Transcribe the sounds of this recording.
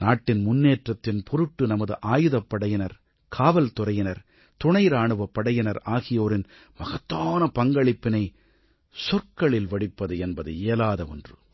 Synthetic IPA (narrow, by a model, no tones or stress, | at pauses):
naːʈːɪnmʊnːeːʈrɐt̪ːɪnpʰɔɾɯʈːɯnɐmɐðɯʔaːjɯðɐpːɐɽɐjɪnɐɾ | kʰaːʋɐlt̪ʊɾɐjɪnɐɾ | t̪ʊɳɐjɾaːɳɯʋɐpːɐɽɐjɪnɐɾaːɣɪjoːɾɪn | mɐɣɐt̪ːaːnɐpɐŋɡɐɭɪpːɪnɐɪ | sɔɾkɐɭɪlʋɐɽɪpːɐðɯɛnbɐðɯ̰eːlaːðɐɔ̰ndrɯ